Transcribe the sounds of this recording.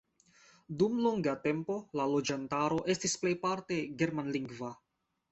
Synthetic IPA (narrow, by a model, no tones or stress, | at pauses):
dumloŋɡate̞mpo̞lalo̞d͡ʒantaɾo̞ʔe̞stisple̞jpaɾte̞ɡe̞ɾmanliŋɡva